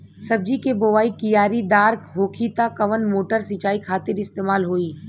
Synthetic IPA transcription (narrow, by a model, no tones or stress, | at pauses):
sɐb̚d͡ʒikeboːʋaːikɪjaːɾid̪aːɾkɦoːkʰit̪akɐʋənmoːʈəɾsit͡ʃaːikʰaːt̪ɪɾɪst̪eːmaːlɦoːiː